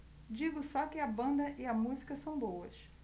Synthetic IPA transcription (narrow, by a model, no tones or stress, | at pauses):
d͡ʒiɡʊsɔkɪɐbɐ̃nd̪ɐʔɪɐmuzikɐsɐ̃w̃bowɐs